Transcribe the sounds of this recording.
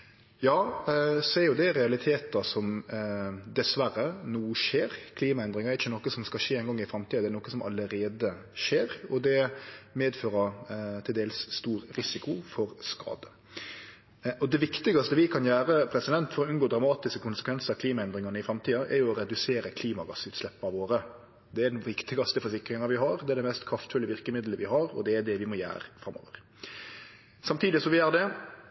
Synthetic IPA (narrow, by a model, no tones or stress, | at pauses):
jɑːsɔɛɾjʊd̪ɛɾɛɑlɪt̪ʰeːt̪əsɔm | d̪ɛsʋæɾːənuːʂeːɾkʰliːmɑɛnd̪ɾɪŋəɾɛɾɪçːənɔkːəsɔmskɑʃeːɛnɡɔŋːɪfɾɑmt̪ʰiːɑd̪ɛæɾnɔkːəsɔmʔɑ̰ləɾeːd̪ə | ʂeːɾɔd̪ɛmeːd̪føːɾət̪ʰɪld̪eːlsːt̪uːɾɾɪsɪkʊfɔɾskɑ̰ːd̪ə | ʔɔd̪ɛʋɪkt̪ɪɡɑst̪əʋɪkʰɑnjæːɾəpʰɾɛsɪd̪ɛnt̪fɔɾɔʉnɡoːd̪ɾɑmɑːt̪ɪskəkʊnsəkʋɛnsəɾɑkliːmɑɛnd̪ɾɪŋɑnəɪfɾɑmt̪ʰiːɑʔɛɾjʊɔɾɛd̪ʉseːɾəkʰliːmɑɡɑsʉːt̪slɛpːəɑʋoːɾə | d̪ɛæd̪nʋɪkt̪ɪɡɑst̪əfɔɾsɪkɾɪŋɑʋɪɦɑɾd̪ɛæd̪ɛmɛst̪kʰɾɑft̪fʉlːɪəʋɪɾkəmɪd̪ləʋɪɦɑɾɔ̰d̪ɛːd̪ɛʋɪmɔjæ̰ːɾəfɾɑmo̰ːʋə̰ɾ | sɑmt̪ʰiːd̪ɪsɔmʋɪjæːɾd̪ɛ